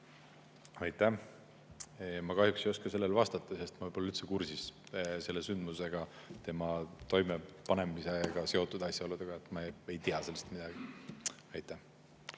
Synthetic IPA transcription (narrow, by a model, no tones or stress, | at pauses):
ɑjt̪ːˑæh | mɑkɑhjuksejo̞skɑse̞lːe̞lvɑst̪ɑt̪ˑːɑse̞st̪mɑvɯjbo̞lːyt̪se̞kursisse̞lːe̞synd̪̥muse̞ɡ̥ɑt̪e̞mɑt̪o̞jmepɑne̞miseɡ̥ɑse̞o̞t̪ːˑud̪ɑsʲjɑolːud̪̥eɡ̥ɑet̪ːˑmɑe̞jt̪iɑse̞lːest̪mid̪̥ɑɡ̥i | ɑjt̪ːˑæh